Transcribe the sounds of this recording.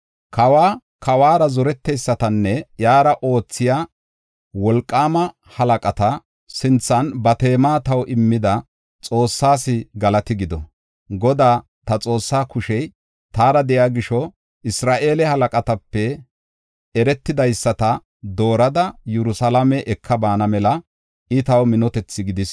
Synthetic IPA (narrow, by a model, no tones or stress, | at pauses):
kɐwaː | kɐwaːɾɐzɔɾɛt̪ːɛjsːɐt̪ɐnːɛjaːɾɐʔo̞ːt͡sːɪjaː | wɔlkʼːaːmɐ | hɐlɐkʼɐt̪ɐ | sɪnt͡sːɐnbɐt̪e̞ːmaːt̪ɐwʔɪmːɪd̪ɐ | t͡sʼo̞ːsːaːsɪɡɐlɐt̪ɪɡɪd̪ɔ̰ | ɡɔd̪aː | t̪ɐt͡sʼo̞ːsːaːkʊʃɛj | t̪aːɾɐd̪ɛjaːɡɪʃɔ | ʔɪsɾaːʔe̞ːlɛhɐlɐkʼɐt̪ɐpːɛ | ɛɾɛt̪ːɪd̪ɐjsːɐt̪ɐ | d̪o̞ːɾɐd̪ɐjɛɾʊsɐlɐmɛʔɛkʰːɐbaːnɐmɛlɐ | ɪt̪ɐwmɪnɔt̪ɛt͡sːɪɡɪd̪ɪs